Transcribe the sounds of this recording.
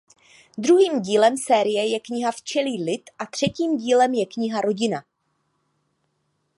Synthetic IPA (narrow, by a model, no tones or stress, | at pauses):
d̪ɾuɦiːmɟiːlɛmsɛːɾɪjɛjɛkɲɪɦaft͡ʃɛliːlɪt̪ʔat̪r̝̥ɛciːmɟiːlɛmjɛkɲɪɦaɾo̞ɟɪna